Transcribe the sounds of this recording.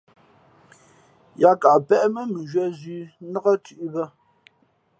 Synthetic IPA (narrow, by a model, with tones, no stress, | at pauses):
ja˦ka˨pɛ˦ʔmə˦mə˨ʒɥɛ˦zɥi˨˦nə˦ɣa˦tʉ˦˨ʔbə˦